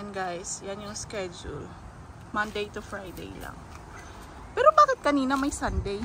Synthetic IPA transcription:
ɛnɡajsjanjʊŋskɛd͡ʒʊ̰l | mɐnd̪ejt̪ʊfɹajd̪ḛjlɐ̰ŋ | pɛːɾo̞baːkɪt̪̚kɐniːnɐmɐjsɐnd̪ɛj

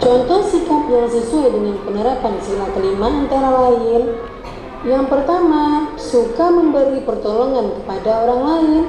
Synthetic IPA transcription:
t͡ʃɔnt̪ɔhsikapjaŋsəsuadəŋanpənəɾapansilat̪əlimaənt̪aɾalaɪn | jaŋpərt̪ama | sukaməmbəɾipərt̪ɔlɔŋankə̥padaoɾaŋlaɪn

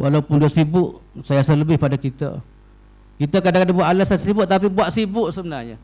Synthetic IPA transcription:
wʔalaupʊndiasibʊʔsajasələbɪhpadakit̪ə̰ | kit̪əkadãŋkadaŋbuaʔ̪alasassibʊʔt̪apibuaʔsibʊʔsəbənarɲə

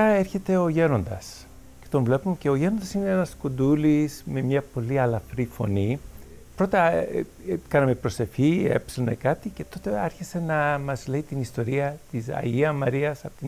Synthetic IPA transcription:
ɐeɾçe̞t̪e̞o̞ʝe̞no̞nd̪ɐ̰s | ce̞̥t̪o̞nvle̞pumece̞o̞ʝe̞nond̪ɐsineenɐskond̪ulisme̞mɲɐpo̞liɐlɐfɾifo̞̰ni | pɾo̞t̪ɐ | kɐnɐme̞pɾo̞se̞fçiḛpsenḛkɐt̪ice̞t̪o̞t̪e̞ɐɾçise̞nɐmɐzle̞it̪inist̪o̞ɾiɐt̪isɐ̰iɐmɐɾiɐsɐpo̥t̪i

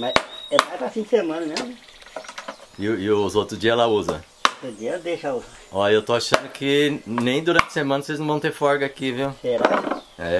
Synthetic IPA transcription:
mazɛmajspɾɐfĩnd͡ʒɪsemɐ̃nɐmẽzmʊ | ɪʊɪʊzot̪ɾʊzd͡ʒiɐlauzɐ̰ | ot̪ʊd͡ʒiɐd̪eʃauzɐɔewt̪oaʃɐ̃nd̪ʊkʰɪnẽj̃d̪uɾɐ̃nt͡ʃɪ̥semɐ̃nɐseznɐ̃vɐ̃w̃t̪eɾfɔɾɡɐkiviwpeɾa̰zɛ

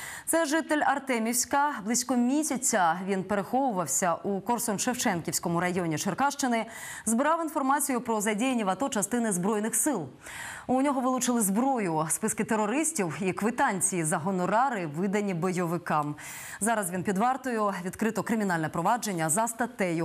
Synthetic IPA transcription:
t̪sɛʒɪt̪elʲɐrt̪ɛmʲiwsʲkɐblˠisʲkɔmʲisʲɐt͡sʲːɐʋʲinpeɾexɔʋʊʋɐwsʲɐʔukɔrsɔnʃewt͡ʃɛnkʲiwsʲkɔmʊɾɐjɔnʲiʃerkɑʃt͡ʃɪnɪ | zbɪɾɑwin̪fɔrmɑt͡sʲijʊpɾɔzɐdʲijenʲːiʋɐt̪ɔt͡ʃɐst̪ɪnɪzbɾɔjnɪxsɪlˠ | unʲɔɦɔʋɪlˠʊt͡ʃɪlˠɪzbɾɔjʊspɪskɪt̪eɾɔɾɪsʲtʲiwikʋɪt̪ɑnʲt͡sʲijizɐɦɔnɔɾɑɾɪʋɪd̪ɐnʲːibɔjɔʋɪkɑm | zɑɾɐzʋʲinpʲid̪ʋɑrt̪ɔjʊʋʲid̪kɾɪt̪ɔkɾɪmʲin̪ɑlʲnɛpɾɔʋɑd͡ʒenʲːɐzɐst̪ɐt̪ɛjʊ

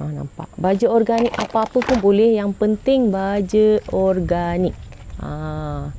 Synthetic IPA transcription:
ana̰mpa̰ʔbad͡ʒəɔrɡanikapapəpunbolɛhjaŋpənt̪ɪŋbad͡ʒəɔrɡanɪk̚ | a

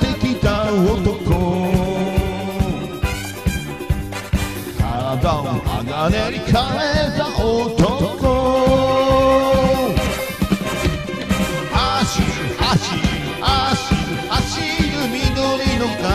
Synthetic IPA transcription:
t̪ekʲit̪aot̪oko | kʰaɾad̪aʔa̰ɡaneɾikʰaɾezaʔot̪ot̪oko | haɕi | haɕi | aɕi | haɕinɯminoɾinoka

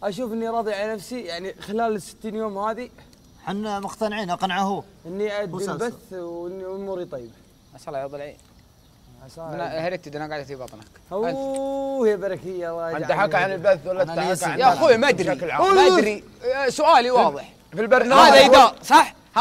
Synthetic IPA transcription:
ʔaʃ̬uːfʔɪnːiɾˤɑːðˤiʕalanafsijaʕnixɪlaːlsɪ̥t̪ːiːnjoːmhaːði | ħanmʊqt̪anʕiːnɑqɑnaʕahu | ʔɪnːiʔad̪ːilbaθwɪnːiʊmuːɾit̪ˤɑjːb | ʔaʃɑlːɑʕit̪ˤɨlʕḭ | aʃnahaɾiːt̪id̪ɪnaɡaʕd̪aθibɑt̪ˤna̰kha | hɪjːabɑɾˤɑkɪjːaɾˤɑːat̪aħakʕanɪlbaθwalːaakanjaxujmaʔad̪ɾiakɪlʕamaʔad̪ɾi | sʊʔaːliwɑːðˤɨħ | filbɑɾˤnaadaasˤɑħ

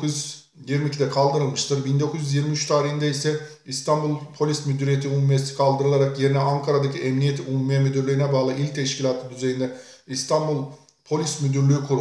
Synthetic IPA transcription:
kuz | jiɾmicʰid̪ɛkʰalˠd̪ɯɾɯlˠmɯʃt̪ʰɯɾbind̪o̞kʰuzyzjiɾmiyt͡ʃt̪ʰaːɾihind̪ɛisɛ | ist̪ʰanbulˠpʰo̞lʲismyd̪yɾijet̪ʰiumumijesi̥kʰalˠd̪ɯɾɯlˠaɾakje̞ɾinɛaŋkʰaɾad̪acʰiʔɛmnijet̪ʰiumumijɛmyd̪yɾlʲyinɛbaːlˠɯʔilʲc̚t̪ʰɛʃkcilʲaːt̪ʰɯd̪yze̞jind̪ɛist̪ʰanbulˠ | pʰo̞lʲismyd̪yɾlʲyykʰuɾu

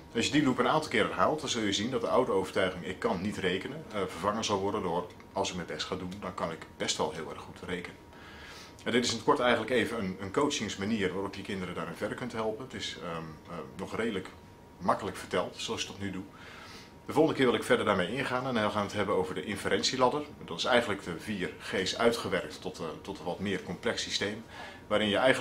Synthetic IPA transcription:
ɑlˠsjədilupənaːntɑlˠkɪːɾɛrɦaːlˠtdɑnzɵlˠjəzindɔt̚dəʔawdəowvəɹtœɥχɪŋɪkʰːɑnːitrejkənənvəɹvɑŋənzɑlˠʋɔɹdəndʊr | ɑlˠsɪk̚məbɛstχaːdundɑnkɑnɪkbɛstʋɛlˠɦɪːlˠɛ̰rχutʰrejkənə | ɛdɪtɪsnɔtkɔɹtɛjχəntləkejvənənənkowt͡ʃɪŋsmaniːərʋaːrɔpjəkɪndəɾədaːɾɪnvɛdəɹkɵntɦɛlˠpənətɪsənɔχrejdələk | mɑkələkfərtɛlˠtsoɑlˠsjətɔtnydu | dəvolˠχəndəkɪːɹʋɪlˠɪkfɛɹdəɹdaːɹmejɪnχaːnɛnɪlˠχaːnətɦɛbənowvəɹdəʔɪnfəɾɛnsilɑdərdɑtɪsɛjχənləkdəviːrχeːsœɥtχəʋɛɹk̚tɔttɔtəʋɑtmɪːrkɔmplɛksistejm | ʋaːɾɪnjəʔɛj

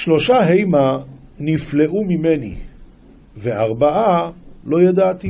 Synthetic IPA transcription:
ʃlo̞ʃaɦe̞jmanifle̞ʔumime̞nḭ | veaʁbaʔalo̞jad̪at̪i

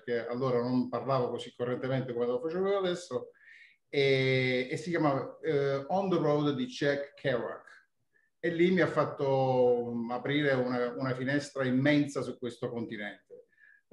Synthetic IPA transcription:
pk̟ea̰lːoːɾanomparlaːvokosikːorːent̪ement̪ekomelofat͡ʃɛːvoad̪ɛsːo | ɛesːikjamavaɔnd̪rowd̪d̪it͡ʃɛkʰːɛɾwa̰k | elːimːiafːat̪ːo | apɾiːɾeunaunafinɛst̪ɾaimːɛnsasukwest̪okont̪inɛnt̪e

